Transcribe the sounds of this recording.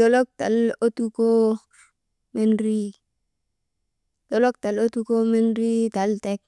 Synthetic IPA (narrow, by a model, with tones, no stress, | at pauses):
do˦lo˦k̚ta̰˨lo˦tu˦ko˦ | me˦nɾi˦ | to˦lo˦k̚ta˨lo˦tu˦ko˦me˦nɾi˦ta˨˦lte˦k̚